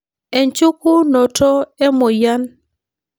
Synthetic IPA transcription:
e˨ɲt͡ʃu˦ku˦nɔ˨tɔ˦ɛ˦mɔ˨ja˦n

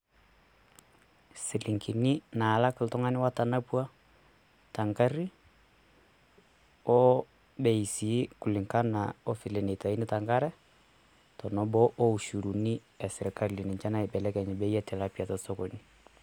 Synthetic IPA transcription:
sɪ˨lɪ˨ŋki˨ni˦na˨la˦kɪ˨ltɔ˦ŋa˦nɪ˦wa˦ta˨na˦pua˦ | ta˨ŋka˦ɾi˦ | ɔ˦ | bɛ˨i˨si˨˦ku˨lɪ˨ŋka˦na˨ɔ˦fɪ˨le˨ne˨ta˨i˦nɪ˦ta˨ŋɡa˦ɾɛ˦ | tɔ˨nɔ˦bɔ˦ʔɔ˦u˨ʃu˨ɾu˨ni˦ | ɛ˨sɪ˨ɾɪ˨ka˦˨ɾli˨nɪ˨ɲt͡ʃa˦na˨ɪ˨bɛ˨lɛ˦kɛ˨ɲɛ˨bɛ˦jɛ˦tʰɛ˨la˦pja˨tɔ˨sɔ˦kɔ˨ni˦

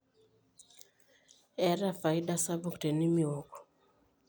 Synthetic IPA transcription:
ɛ˦ɾa˦fa˨i˦da˦sa˦bʊ˦ktɛ˨ni˦mi˦˨o˨kɔ̥˨

